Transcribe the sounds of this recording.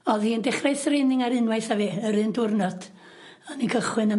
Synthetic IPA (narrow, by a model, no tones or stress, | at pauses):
ɔðiəndɛχrajsɾenɪŋaɾɨnwajθaviəɾɨndʊrnɔd̥ | ɔnikʰəχwɨnə